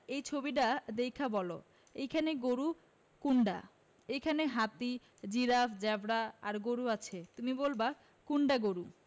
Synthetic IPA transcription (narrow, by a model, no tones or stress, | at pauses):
ejt͡ɕʰobiʈ̬ad̪ejkʰabɔlo | ejkʰaneɡoɾu | kuɳɖa̰ | ejkʰaneɦat̪i | d͡ʑiɾafd͡ʑɛbɽaaɾɡoɾuat͡ɕʰet̪umibolba | kuɳɖaɡoɾu